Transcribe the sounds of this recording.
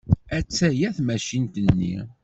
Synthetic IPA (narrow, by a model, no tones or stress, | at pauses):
æt͡sːæjæθmæʃint̪ənːḭ